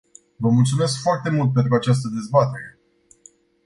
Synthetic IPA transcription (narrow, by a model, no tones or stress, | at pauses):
vəmult̪sume̞skfoart̪e̞mult̪̚p̬e̞nt̪ɾuat͡ʃas̬t̪əd̪e̞zbat̪e̞ɾe̞